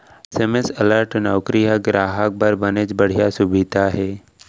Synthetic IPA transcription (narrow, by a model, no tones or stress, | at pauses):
semesələɾʈnɔwkɾijaɡɾʔaːɦək̚bəɾbənet͡ʃbəɽ̤ijasubid̪ʱaɦɛː